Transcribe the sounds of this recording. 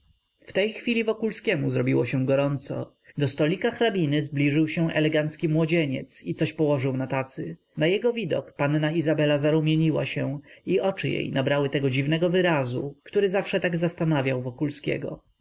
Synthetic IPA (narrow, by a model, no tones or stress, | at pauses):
ft̪ɛjxfʲilʲivɔkulskʲɛmuzɾɔbʲiwɔɕɛɡɔɾɔnt̪sɔ̰ | d̪ɔst̪ɔlʲikaxɾabʲinɘzblʲiʐɘwɕɛ̃ʔɛ̰lɛɡant̪skʲimwɔd͡ʑeɲɛ̰t̪sit̪sɔɕpɔwɔʐɘwnat̪at̪sɘ | najɛɡɔvʲid̪ɔ̰kpanːaizabɛlazaɾumʲjeɲiwa̰ɕɛ̃iʔɔt͡ʂɘjḛjnabɾawɘt̪ɛɡɔd͡ʑivnɛɡɔvɘɾazṵkt̪uɾɘzafʂɛt̪aɡzast̪anavʲjawvɔkulskʲɛ̰ɡɔ̰